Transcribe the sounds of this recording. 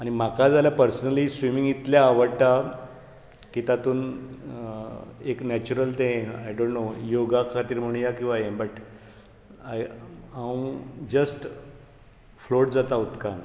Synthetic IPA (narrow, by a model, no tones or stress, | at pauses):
aɽ̃im̤akad͡zaljapəɾsənəlisʋimiŋɡit̪ljaːʋəɽʈ̪a | kit̪at̪uːn | eknæt͡ɕuɾəlt̪ẽa̰jɖõɳnojoɡakʰat̪iːɾm̤əɽ̃jakĩw̃ʋajẽbəʈ | ajãw̃d͡ʑəsʈ | floʈd͡zat̪aut̪kan